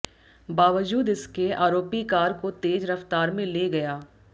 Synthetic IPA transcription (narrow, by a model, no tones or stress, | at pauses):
baːʋəd͡ʒuːd̪ɪskeaːɾoːpikaːɾkot̪eːd͡ʒɾɐft̪aːɾmẽleːɡɐjaː